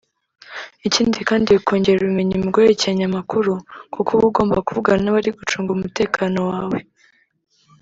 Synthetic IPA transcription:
iciːndikaːndiβikʰo̞ːɲɟe̞ɾaβimeɲimuɡojecaɲamakuɾukukʰuβuɡo̞ːmbakuvuɡanaβaɾiɡut͡ʃuːŋɡumute̞ːkʰano̞waːwe

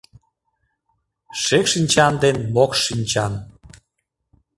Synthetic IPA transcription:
ʃekʃinʲt͡ɕɑnd̪enmokʃinʲt͡ɕɑn

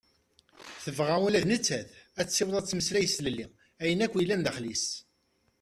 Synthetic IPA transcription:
θəvʁæwulæðnət͡sːæθæt͡sːsːɪwðˤɑt͡sːməslæjəsləlːi | æjənækʷːijlːænðəχlis

